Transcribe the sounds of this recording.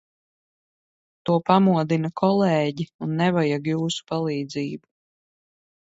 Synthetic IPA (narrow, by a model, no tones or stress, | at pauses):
t̪uɔpamuɔd̪inɐkʰɔlˠɛːɟiunːɛvajaɡjuːsu̥palˠiːd̪ziːbu